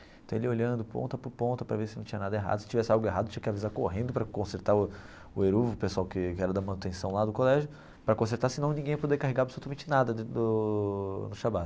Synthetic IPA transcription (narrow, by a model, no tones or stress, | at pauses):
ẽt̪ɐ̃w̃eliolɐ̃nd̪ʊpõ̰nt̪ɐpʊɾpõnt̪ɐpɾɐvesɪnɐ̃w̃t͡ʃĩɐnad̪ɐeɦa̰d̪ʊsɪ̥t͡ʃivɛsɪawɡʊeɦad̪ʊt͡ʃĩɐkɪavizaɾkoɦẽnd̪ʊpɾɐkõseɾt̪aɾʊ | ʊeɾuvʊpesʊawkɪkɪɛɾɐd̪ɐmɐ̃nʊt̪ẽsɐ̃w̃lad̪ʊkolɛʒʊ | pɾɐkõseɾt̪asɪnɐ̃w̃nĩɡẽj̃ɐpod̪eɾkaɦeɡaɾabɪsolut̪amẽnt͡ʃɪnad̪ɐnʊ | nʊʃabat̪